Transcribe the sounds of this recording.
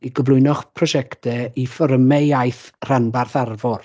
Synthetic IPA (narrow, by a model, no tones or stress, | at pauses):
iɡəvlʊɨnɔχpʰrɔʃɛktɛifɔɾəmɛjajθr̥anbarθarvɔr